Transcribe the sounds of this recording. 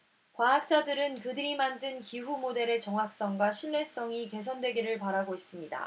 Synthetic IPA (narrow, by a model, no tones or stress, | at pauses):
kwaak̚t͡ɕ͈adɯɾɯnkɯdɯɾimandɯnkiɸumode̞ɾe̞t͡ɕʌŋɦak̚s͈ʌŋɡwaɕʰiɭːe̞s͈ʌŋike̞s̬ʰʌndwe̞ɡiɾɯɭpaɾaɡois͈ɯmɲida̰